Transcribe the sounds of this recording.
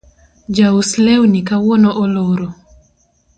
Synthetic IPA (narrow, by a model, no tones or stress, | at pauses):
d͡ʒauslɛwnikawɔnɔʔɔloɾo